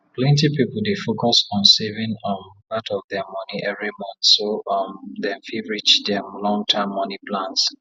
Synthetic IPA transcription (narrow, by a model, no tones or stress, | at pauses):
pʰlɛ̃ntipipl̩ˠdefokɔsɔ̃nsevɪ̃ŋɔnbatɔvðɛmɔniʔɛvɹimɔ̃nθsoʌmdɛ̃mfiɹit͡ʃdɛmlɔ̃ŋtʰamːɔnipʰlãns